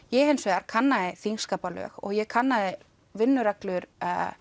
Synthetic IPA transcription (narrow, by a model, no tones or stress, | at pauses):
jɛɣejnsvɛɣaɾ̥kʰanːaðɪθiŋskaːpalœ̰ːxɔ̰ɣjɛkʰanːaðɪ | vɪnːʏɾaklʏɾ̰